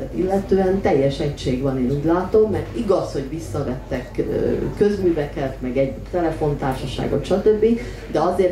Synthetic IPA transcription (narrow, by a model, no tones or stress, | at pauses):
ɛt̪ilːɛt̪øːɛnt̪ɛjːɛʃɛcʃeːɡʋɒneːnuːɟlaːt̪o̞mːɛrt̪iɡɒsho̞ɟʋisːɒvɛt̪ːɛkː | øzmyːvɛkɛt̪mɛɡɛɟt̪ɛlɛfo̞nt̪aːrʃɒʃa̰ːɡo̰t̪ʃɒt̪ø̞bːi | d̪ɛɒzeːr